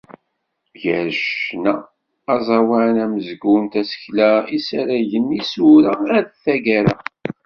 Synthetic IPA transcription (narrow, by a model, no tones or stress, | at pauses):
ʝəɾʃnæː | zˤɑwaʕnæməzɡunt̪æsə̥çlæisæɾæʝənːisuɾææɾθæɡæɾæ̰